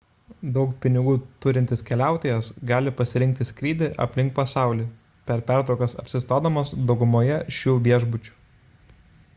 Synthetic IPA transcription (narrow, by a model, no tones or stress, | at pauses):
d̪ɒʊkpʲɪnʲɪɡuːt̪ʊɾʲɪnʲt̪ʲɪskʲɛlʲæˑʊt̪ʲejɛsɡɑːlʲɪpɐsʲɪɾʲɪŋk̚t̪ʲɪsʲkɾʲiːd̪ʲɪʔɐ̰pʲlʲɪŋk̚pɐsɑˑʊlʲiː | pʲɛɾpʲæːˑɾt̪ɾʊkɐsɐ̰pʲsʲɪst̪ɑːd̪omɐsd̪ɒʊɡʊmoːjɛʃʲuːʋʲiɛʒbʊt͡ʃʲu̥